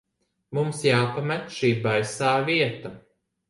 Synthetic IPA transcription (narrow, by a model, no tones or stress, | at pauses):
mumsjaːpamɛt̪ʃiːbajsaːviɛt̪a